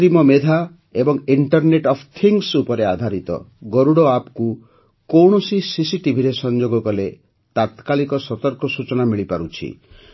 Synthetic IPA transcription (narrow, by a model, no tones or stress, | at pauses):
ɾimɔmed̪ʱa | ebɔŋiɳʈɔɾneʈɔpʰt̪ʰiŋsupɔɾead̪ʱaɾit̪ɔ̰ɡoɾuɽɔapku | kowɳ̃ɔsisisiʈibʱiɾesɔnd͡ʒoɡɔkɔle | t̪at̪kalikɔsɔt̪ɔɾkɔsut͡ʃɔnamiɭipaɾut͡ʃʰḭ